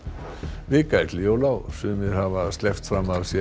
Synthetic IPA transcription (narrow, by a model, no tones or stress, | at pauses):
vɪkajt̪lɪowlawsʏmɪðhavast̪lɛft̪fɾamavsjɛ